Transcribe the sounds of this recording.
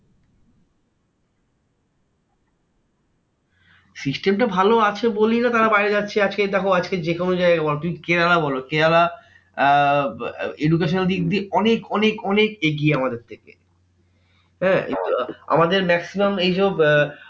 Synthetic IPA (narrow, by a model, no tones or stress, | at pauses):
sisʈemʈabʱaloat͡ɕʰebolinat̪aɾabajɾed͡ʑatːɕʰead͡ʑket̪akoad͡ʑked͡ʑekonod͡ʑaeɡabɔlot̪umikeɾalabɔlokeɾala | eɖuk̬eʃoneld̪iɡd̪iɔnekɔnekɔnekeɡieamad̪eɾt̪ʰekḛ | hɛ̃ːkḭnt̪ua̰mad̪eɾmɛksimamejʃɔb